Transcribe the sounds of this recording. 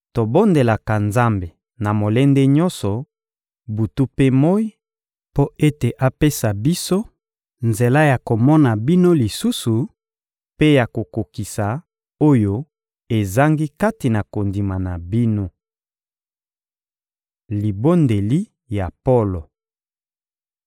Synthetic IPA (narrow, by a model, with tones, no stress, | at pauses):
to˨bo˦nde˨la˨ka˨nza˦mbe˨ | na˨mo˨le˦nde˦ɲɔ̃˦nsɔ˨ | bu˨tu˦pe˦mo˦i˦ | po˦e˦te˨ʔa˦pe˦sa˨bi˦so˦ | nze˨la˦ja˨ko˨mɔ˦na˨bi˦no˦li˨su˦su˨ | pe˦ja˨ko˨ko˨ki˨sa˨ | o˦jo˦ | e˨za˦ŋɡi˦ka˦ti˨na˨ko˨ndi˨ma˨na˨bi˦no˦ | li˨bo˦nde˨li˦ | ja˨po˦lo˨